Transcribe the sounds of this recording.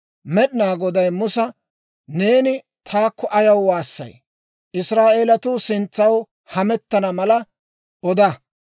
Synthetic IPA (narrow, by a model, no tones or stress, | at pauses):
mɛɗɪnaːɡɔd̪ɐjmʊsɐ | ne̞ːnɪ | t̪ʰaːkʰːɔʔɐjɐwwaːsːɐ̰j | ʔɪsɾaːʔeːlɐt̪ʊsɪnt͡sːɐw | hɐmɛt̪ːɐnɐmɐlɐ | ʔɔd̪ɐ